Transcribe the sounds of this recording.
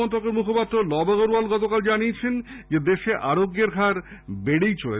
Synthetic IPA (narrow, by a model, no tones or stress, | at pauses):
ɔnt̪okeɾmukʰopat̪ːɾolɔbaɣoɾualɡɔt̪okald͡ʑaniet͡ɕʰend͡ʑed̪eʃeʔaɾoɡːeɾɡʱaɾbeɽejt͡ɕolḛ